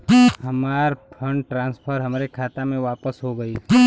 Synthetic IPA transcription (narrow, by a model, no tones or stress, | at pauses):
ɦɐmaːɾpʰə̃ɳɖʈɾãːnspʰəɾɦɐmɾekʰaːt̪amẽʋaːpəsɦoɡɐi